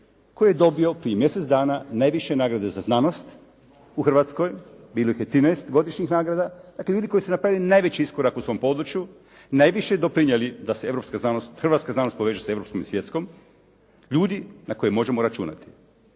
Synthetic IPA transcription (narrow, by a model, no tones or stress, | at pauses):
kojijed̪o̞bio̞pɾijemje̞set̪sd̪aːnanajʋiʃe̞naːɡɾad̪ezaznaːno̞st̪ | uxrʋaːt̪skoj | biːlˠoixjet̪ːɾinaest̪ɡo̞d̪iʃɲixnaːɡɾad̪ad̪akleʎuːd̪iko̞jsunapɾaʋilinajʋe̞t͡ɕiiskoɾakusʋo̞mpo̞d̪ɾut͡ʃju | najʋiʃed̪o̞pɾiɲelid̪asee̞ʋɾo̞pskaznaːnost̪xɾrɾʋat̪skaznaːnost̪po̞ʋeːʒase̞ʋɾo̞psko̞misʋje̞t̪sko̞m | ʎuːd̪inako̞jemo̞ʒe̞moɾat͡ʃṵna̰t̪i̥